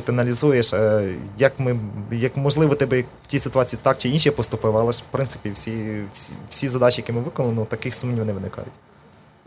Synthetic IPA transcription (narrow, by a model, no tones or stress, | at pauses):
t̪ɪɐnɐlʲizujjeʃjɐkmɪjɐkmɔʒlˠɪʋɔt̪ɛbɪjɐkw̥tʲisɪt̪ʊɑt͡sʲiːt̪ɑk̚t͡ʃɪinʃiɛpɔst̪ʊpɪʋɑlˠeʃpɾʔɪntsɪ̥pʲiwsʲisʲḭwsʲizɐd̪ɑt͡ʃʲijɐkɪmɪʋɪkɔnlˠnɔt̪ɐkɪxsumnʲiʋnɛʋɪnɪkɑ̰jʊ̰tʲ